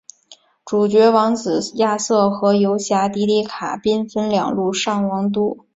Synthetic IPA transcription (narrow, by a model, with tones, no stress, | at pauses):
ʈ͡ʂu˨˩t͡ɕɥɛ˧˥wɑ˧˥ŋt͡sɹ̩˨˩ja˥˧sɤ˥˩xɤ˧˥jo˧˥ʊɕja˧˥t̪i˧˥li˧˥˩kʰa̰˨˩pi˥nfə˥nljɑ̰˨˩ŋlu˥˧ʂɑ˥˩ŋwɑ˧˥ŋt̪̬u˥